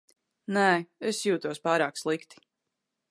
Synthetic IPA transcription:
nɛːesjuːt̪uɔspaːɾaːkslˠikt̪i̥

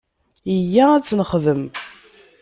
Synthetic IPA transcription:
jəjːææt͡sːnəχðəm

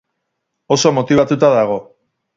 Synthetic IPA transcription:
o̞so̞mo̞t̪iβ̞at̪ut̪aðaɣ̞o̞

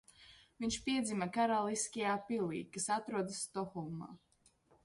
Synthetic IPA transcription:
viɲʲʃpiɛd̪zimakaɾalˠiskʲijaːpilḭːkasat̪ɾuɔd̪ast̪ɔxɔlˠma̰ː

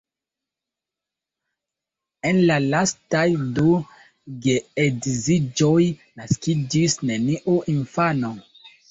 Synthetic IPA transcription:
enlalastajdu | ɡeedzid͡ʒojnaskid͡ʒisneniʔoʔinfano

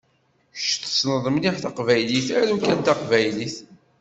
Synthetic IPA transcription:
ʃt̪ːə̥snəðˤəmliħθɑqvæjliθænukːænt̪ɑqvæjliθ

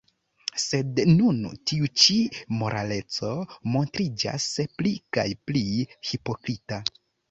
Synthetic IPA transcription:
se̞dnuntiut͡ʃimo̞ɾʔa̰le̞t͡so̞mo̞ntɾid͡ʒa̰splika̰jplihipo̞kɾita

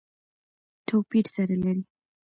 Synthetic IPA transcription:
ʈʰopiʈsaɾalaɾi

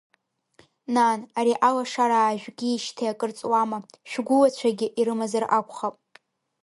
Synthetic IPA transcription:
nanaɾiʔalaʂaɾaːʒᶣɡʲiːʃtʰeakʼɨrt͡sʼwamaʃᶣɡʷʊlat͡ɕʷʰaɡʲɪʔiɾɨmazarakʷʰʼχapʼ

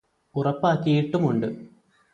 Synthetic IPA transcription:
urɐpːaːkːijiʈːumuɳɖɨ

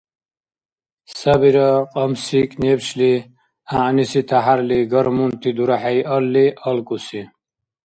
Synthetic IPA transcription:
sɐbiɾɐqʼɐmsiknebɕli | aːnisit̪ʰaɦaɾliɡɐɾmunt̪id̪uɾaħajʔɐlːiʔɐlkusi

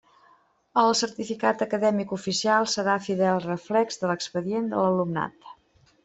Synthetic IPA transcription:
əlˠsəɾt̪ifikat̪əkəðɛmikufisialˠsəɾafiðɛlˠrəflɛkzðələkspəðiend̪ə̰ləlumna̰t̪

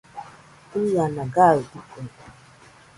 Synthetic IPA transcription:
ujanaɡaldiku

